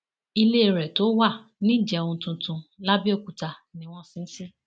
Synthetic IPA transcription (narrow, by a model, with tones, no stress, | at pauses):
i˧le˦e˧ɾɛ˨to˨˦wa˦˨nĩ˦˨d͡ʒɛ˧õ˧tũ˧tũ˧la˦bi˦o˦˨ku˨ta˧nĩ˨˦w̃ɔ̃˦˨sĩ˦si˦